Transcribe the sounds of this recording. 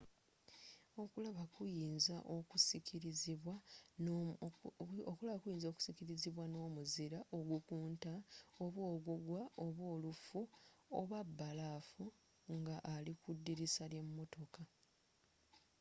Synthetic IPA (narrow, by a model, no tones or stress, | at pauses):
o̞kulaβakujiːnzaʔo̞kusikʰiɾiziβwan | okulaβakujiːnzoku̥sikiɾiziβwano̞ːmuziɾaʔo̞ɡukuːntao̞βwo̞ːɡuɡwaoβwo̞ːlufuoβabːalaːfu | ŋɡaʔːlikudːiɾisalje̞mːo̞to̞ka